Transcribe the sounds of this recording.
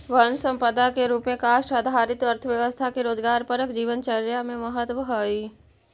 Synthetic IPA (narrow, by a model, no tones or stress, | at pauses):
ʋənsə̃mpəd̪akeɾuːpmẽkaːʃʈəd̪ʱaːɾɪt̪əɾt̪ʰəʋjəʋəst̪ʰakiɾoːd͡ʒɡaːɾpəɾəkd͡ʒiːʋənt͡ʃəɾjamẽməɦət̪ʋəɦoːiː